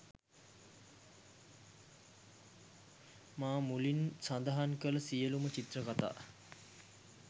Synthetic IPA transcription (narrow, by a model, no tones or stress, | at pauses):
maːmulinsand̪əɦankələsijəlumət͡ʃit̪rəkat̪a̰ː